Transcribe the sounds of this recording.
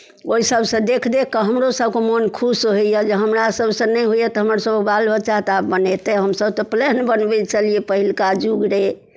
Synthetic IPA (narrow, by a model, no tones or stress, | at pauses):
oisəbsə̃d̪ekʰd̪ekːəɦəmɾosəbkemonkʰusɦejəd͡ʒeɦəmɾasəbsə̃nɛjɦujɛt̪ɔɦəməɾsəbəkbalbət͡ʃaɦt̪apbənet̪ɛɦəmsəbt̪ɔplɛnbənbɛt͡ʃʰəlijepəɦilkad͡ʒuɡɾe